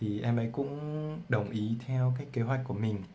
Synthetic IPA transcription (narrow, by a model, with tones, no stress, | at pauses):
i˨˩ʔɛ˧mʔə̰˧˦jkʊ̰˧˥ŋ͡mɗə˨˩wŋ͡mʔi˨˦t̪ʰɛ˧wk̬aː˨˦jk̚ke˨˦ɦwa˨˩k̟̚kːu˧˩əmï˨˩ŋ̟